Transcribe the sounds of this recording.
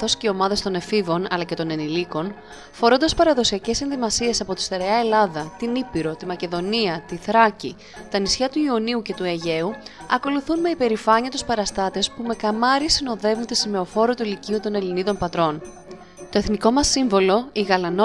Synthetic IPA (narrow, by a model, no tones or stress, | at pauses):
θo̞sceomɐðe̞st̪o̞ne̞fivo̞nɐ̰lɐce̞t̪o̞ne̞niliko̞n | fo̞ɾo̞nd̪ɐspɐɾɐðo̞siɐce̞se̞nðimɐsie̞sɐpo̞t̪i̥st̪eɾeɐe̞lɐðɐt̪inipiɾo̞t̪imɐce̞ðo̞niɐt̪iθɾɐci | t̪ɐnisçɐt̪uioniuce̞t̪ue̞ʝe̞uɐko̞luθunme̞ipe̞ɾifɐɲiɐt̪uspɐɾɐst̪ɐt̪e̞spume̞kɐmɐɾisino̞ðe̞vund̪esime̞o̞fo̞ɾot̪uiliciut̪o̞ne̞liniðo̞npɐt̪ɾo̞n | t̪o̞e̞θniko̞mɐsːiɱvo̞lo̞iɣɐlɐno